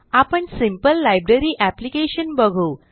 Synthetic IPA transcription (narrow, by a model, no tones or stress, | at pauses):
apəɳsimpəlːajbɾeɾiːʔæplikeɕənbəɡʱuː